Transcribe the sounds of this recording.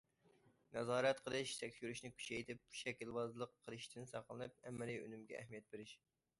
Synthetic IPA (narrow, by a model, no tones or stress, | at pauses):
nɛzɑːɾɛt̪qʰəlˠɨʃsʰɛkʲsyɾyʃnɪkʲʰy̥t͡ʃʰɛjt̪ʰɪp̚bʰu̥ʃɛkʲilˠwɑzlˠəqʰːəlˠɨʃt̪ʰɪnsɑqlˠɨnɨp̚ɛmːɪlijø̰nymɡʲɛ̰ʔːhmijɛt̪̚beɾɪʃ